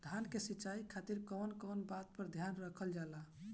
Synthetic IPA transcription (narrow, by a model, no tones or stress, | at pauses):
d̪ʱankesitːt͡ʃaikʰat̪iɾkɔnkɔnbat̪̚pəɾd̪ʱjanɾəkʰəld͡ʒala